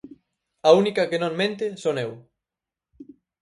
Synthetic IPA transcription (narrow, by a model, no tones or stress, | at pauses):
aunikɐkenõŋmẽnt̪ɪsonew